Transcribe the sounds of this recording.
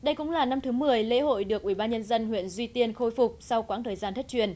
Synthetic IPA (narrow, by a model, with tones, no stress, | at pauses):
ɗə˧jkʊ̰˧˥ŋ͡mlaː˨˩na˧mt̪ʰɨ˨˦mɨ˨˩əjlḛ˧˥ɦo̰˧˨jɗɨ˨˩ək̚ʔwi˧˩ɓaː˧nɲə˧nzə˧nɦwḭ˧˨ənzwi˧t̪i˧ənxo˧jfʊ˨˩k͡p̚sa˧wkwaː˨˦˥ŋt̪ʰəː˨˩jzaː˧nt̪ʰə˦˥t͡ɕwi˧˩ən